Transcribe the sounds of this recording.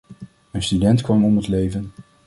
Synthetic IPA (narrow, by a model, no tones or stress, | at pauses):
ənstydɛntkʋɑmɔmətlejvən